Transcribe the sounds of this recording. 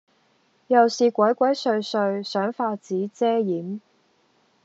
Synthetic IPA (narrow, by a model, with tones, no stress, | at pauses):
jɐ˨wsiː˨kʷɐ˨˥jkʷɐ˨˥jsɵ˧ɥsɵ˧ɥsœː˨˥ŋfaː˧t͡siː˨˥t͡sɛː˥jiː˨˥m